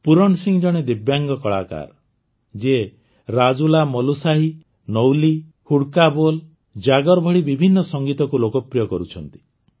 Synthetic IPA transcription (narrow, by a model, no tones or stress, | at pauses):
puɾɔɳsiŋd͡ʒɔɽ̃ed̪ibjaŋɡɔkɔɭaka̰ɾ | d͡ʒe | ɾad͡ʒulamɔlusaɦi | nɔwli | huɽkabol | d͡ʒaɡɔɾbʱɔɽibibʱinːɔsɔŋɡit̪ɔkulokɔpɾijɔkɔɾut͡ʃʰɔnt̪i̥